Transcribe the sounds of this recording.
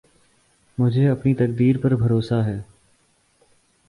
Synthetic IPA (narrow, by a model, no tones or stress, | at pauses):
mʊd͡ʒʱeɐpnit̪ɐk̚d̪iːɾpɐɾbʱɐɾoːsaɦɛː